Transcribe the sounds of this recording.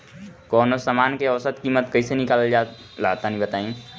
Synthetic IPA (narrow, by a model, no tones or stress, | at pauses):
kɔːnosaːmaːnkeɐʋsət̪kimət̪kɐisenɪkaːld͡ʒa | laːt̪anɦĩbət̪aːĩː